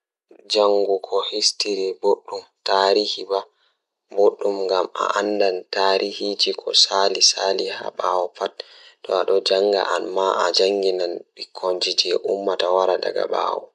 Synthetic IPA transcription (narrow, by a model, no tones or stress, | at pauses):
d͡ʒaŋɡukʰɔhistiɾiboɗːumtaːɾihiba | boɗːumŋɡama̰ʔandantaɾʔihid͡ʒikʰɔsalisaliha̰ɓawɔpat̚tːɔ̰aɗɔd͡ʒaŋɡa̰ʔanmaʔad͡ʒaŋɡinanɓikʰoɲd͡ʒitɛʔumːatawaɾada̰ɡa̰ɓa̰ːwɔ